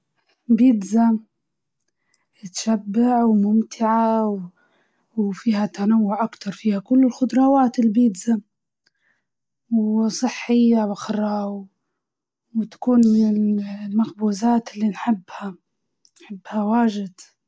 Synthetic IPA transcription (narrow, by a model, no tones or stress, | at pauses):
biːd̪za | ɪt̪ʃabːaʕwmʊmt̪ʰɪʕaw | wfiːhat̪anawːʊʕʔakt̪ɑɾˤfiːhakʊlːɪlxʊd̪ɾˤɑːwaːt̪ɪlbiːd̪za | wsˤɨħːɪjːawaxɾˤɑːw | wt̪ḁkuːnmɪnɪlmaxbuːzaːt̪ɪlːinħɪbːha | nħɪbːhawaːʒɪd̪̥